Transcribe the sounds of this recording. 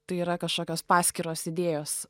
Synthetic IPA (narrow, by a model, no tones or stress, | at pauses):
t̪ɐɪiɾɐkɐʃkoːkʲoːspɑːsʲkʲiɾoːsɪd̪ʲeːjoːs